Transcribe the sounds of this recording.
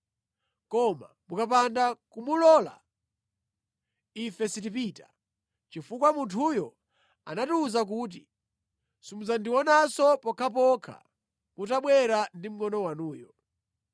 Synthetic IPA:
kɔma̰ | mukap̬andakumulɔla̰ | ifɛsitipiːtḁ | t͡ʃifukwamuntʰujɔ | a̰natuːzak̬uːt̬i | sumuzandiwɔnasɔpɔkʰap̬ɔkʰa̰ | kutaɓwɛɾandim̩ŋɔnɔwanuːjɔ

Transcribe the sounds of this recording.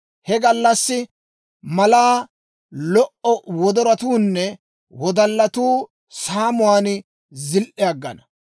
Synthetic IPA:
hɛɡɐlːɐsːɪ | mɐlaː | lɔʔɔwɔd̪ɔɾɐt̪uːnːɛ | wɔd̪ɐlːɐt̪uː | saːmʊwaːn | zɪlʔɛɐɡːɐ̰nɐ

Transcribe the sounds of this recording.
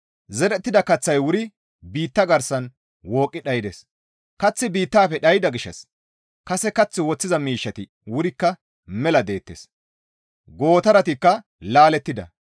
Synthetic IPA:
zɛɾɛt̪ːɪd̪ɐkɐt͡sːɐjwʊɾɪ | biːt̪ːɐɡɐɾsɐn | wo̞ːkʼːɪɗɐjɪd̪ɛs | kɐt͡sːɪbiːt̪ːaːpɛɗɐjɪd̪ɐɡɪʃːɐ̰s | kɐsɛkɐt͡sːɪwɔt͡sːɪzɐmiːʃːɐt̪ɪ | wʊɾɪkːɐ | mɛlɐd̪e̞ːt̪ːḛs | ɡo̞ːt̪ɐɾɐt̪ɪkːɐ | laːlɛt̪ːɪd̪ɐ̰

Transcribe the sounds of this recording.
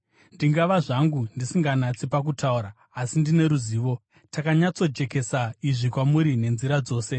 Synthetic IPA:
ndiŋɡaʋaʐaŋɡundisiŋɡanat͡sipak̬utauɾaː | sindine̞ɾuziːʋo̞ | takaɲat͡so̞d͡ʒe̞ke̞saiʐikwamuɾine̞nziɾad͡zo̞ːse̞

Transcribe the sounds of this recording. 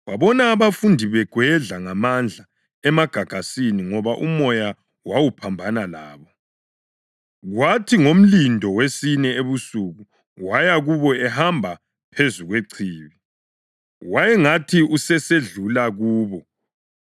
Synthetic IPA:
waβɔnaːβafundʱiβɛɡ̥ʱwɛɮaŋamand͡ɮʱa | ɛmaɡ̥ʱaɡ̥ʱasiniŋɔβaʔumɔja | wawupʰambʱanalaːβɔ | ɣwatʰiŋom̩lindʱɔwesinɛeβusuɣu | wajaɣuβɔɛhambʱa | pʰezuɣweǀʰiːβi | wajɛŋatʰiusɛseɮulaɣuːβɔ

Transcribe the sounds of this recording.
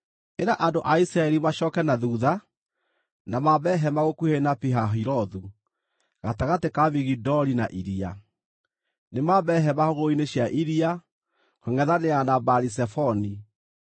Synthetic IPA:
eɾaʔandoʔaisɾaɛɾimaɕɔkɛnaðuða | namaβɛɦɛmaɣokwuhenapiɦaɦiɾɔðu | ɣataɣatekaβiɣidɔɾinaʔiɾia | nemaβɛɦɛmahoɣoineɕjaʔiɾia | kweŋɛðaneanabaɾisɛfɔni

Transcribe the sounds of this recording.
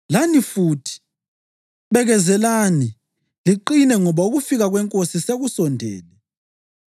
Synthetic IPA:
lanifutʰi̥ | βɛɣɛzɛlani | liǃinɛŋɔβauɣufiɣaɣwɛŋkʼosiseɣusɔndʱɛ̰ːlɛ

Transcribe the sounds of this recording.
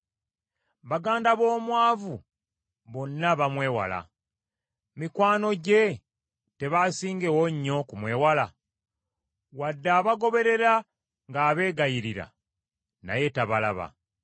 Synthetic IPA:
βaɡaːndaβo̞ːmwaːvu | βo̞nːaβamwe̞ːwa̰la̰ | mikwaːno̞ɟe̞ | te̞βasiːŋɡe̞woɲːo̞kumwe̞ːwala | wadːaːβaɡo̞βe̞ɾe̞ɾa | ŋɡaːβe̞ːɡajiɾiɾa̰ | na̰je̞taβalaβa̰

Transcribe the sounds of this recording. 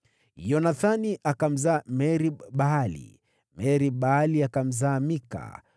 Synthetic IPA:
jɔnaθaniʔakam̩zaːmɛɾiɓalḭ | mɛɾiɓaliakam̩zaːmika̰

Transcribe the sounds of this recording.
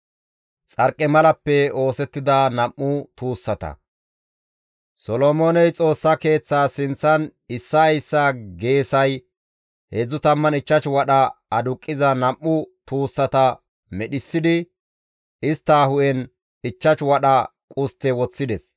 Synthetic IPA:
t͡sʼɐɾkʼːɛmɐlɐpːɛo̞ːsɛt̪ːɪd̪ɐnɐmːʊt̪uːsːɐt̪ɐ̰ | sɔlomoːnɛjt͡sʼo̞ːsːɐke̞ːt͡sːaːsɪnt͡sːɐnɪsːɐjsːaːɡe̞ːsɐj | hed͡zːʊt̪ɐmːɐnɪt͡ʃːɐt͡ʃwɐɗɐɐd̪ʊkʼːɪzɐnɐmːʊt̪uːsːɐt̪ɐ | mɛɗɪsːɪd̪ɪ | ɪst̪ːaːhʊʔɛn | ɪt͡ʃːɐt͡ʃwɐɗɐkʼʊst̪ːɛwɔt͡sːɪd̪ɛs

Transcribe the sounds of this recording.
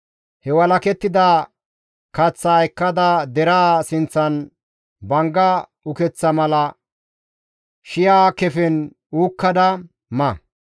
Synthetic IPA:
hɛwɐlɐkɛt̪ːɪd̪a | kɐt͡sːɐːjkːɐd̪ɐd̪ɛɾaːsɪnt͡sːɐn | bɐŋɡɐ | ʊkɛt͡sːɐmɐlɐ | ʃɪjaːkɛfɛn | uːkːɐd̪ɐ | mɐ

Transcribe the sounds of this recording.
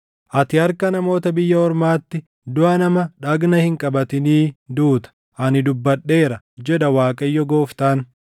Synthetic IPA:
ʔɐt̪ɪhɐɾkɐnɐmo̞ːt̪ɐbɪjːɐɔɾmaːt̪ːɪ | d̪ʊʔɐnɐmɐᶑɐɡnɐhɪŋkʼɐbɐt̪ɪniːd̪uːt̪ɐ̥ | ʔɐnɪd̪ʊbːɐᶑːe̞ːɾɐ | d͡ʒɛᶑɐwaːkʼɐjːɔɡoːft̪aːn

